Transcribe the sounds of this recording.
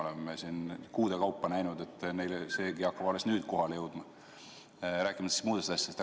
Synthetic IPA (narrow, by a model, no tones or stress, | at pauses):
olemːesinkuːd̪̥ekɑwpːɑnæjnud̪e̞t̪ːˑne̞jlese̞ːɡiɑkːɑb̥olːesnyːd̪̥ko̞ɦɑlejɤwd̪̥mɑ | ɾæːkːˑimɑt̪e̥st̪muːd̪est̪ɑsʲj̥t̪